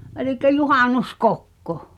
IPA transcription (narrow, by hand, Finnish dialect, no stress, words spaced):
elikˑæ juhɑˑnuskokːo